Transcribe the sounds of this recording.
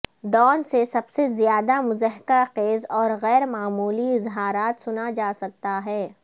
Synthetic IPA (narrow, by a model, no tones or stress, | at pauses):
ɖɔːnsesɐbsezjaːd̪amʊzəɦkaqeːzɔːɾɣɛːɾmaːmuːliɪzɦaːɾaːt̪sʊnad͡ʒaːsɐk̚t̪aɦɛː